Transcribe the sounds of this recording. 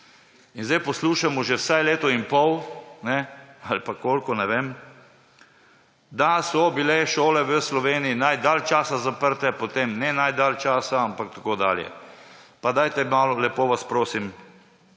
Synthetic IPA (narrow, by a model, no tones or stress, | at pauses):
inzd̪ejpɔsluːʃamɔʒɛwsajleːt̪ɔimpɔwnɛalpakoːlkɔnɛʋem | d̪asɔbilɛʃoːlɛʋəslɔʋeːniinajd̪aːlt͡ʃaːsazapəɾt̪ɛpot̪emnɛnajd̪alt͡ʃaːsaampak̚t̪akoːd̪a̰ːljɛ̰pad̪ajt̪ɛmaːlɔlɛpoːʋaspɾoːsim